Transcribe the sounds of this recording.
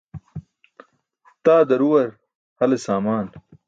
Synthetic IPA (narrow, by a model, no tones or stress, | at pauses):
t̪aːd̪ɐɾuwɐɾ | hɐlesaːmaːn